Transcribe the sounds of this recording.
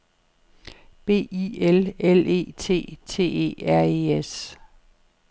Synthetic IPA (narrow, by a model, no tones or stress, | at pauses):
b̥e̝̰ːielele̝̰ːt͡sʰe̝̰ːt͡sʰe̝̰ːe̝̰ːæɐ̰ees